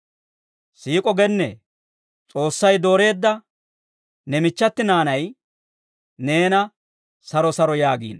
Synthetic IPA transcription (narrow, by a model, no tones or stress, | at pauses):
siːkʼɔɡɛnːɛ | t͡sʼo̞ːsːɐjd̪o̞ːɾe̞ːd̪ːɐ | nɛmɪt͡ʃːɐt̪ːɪnaːnɐj | ne̞ːnɐ | sɐɾɔsɐɾɔjaːɡḭːn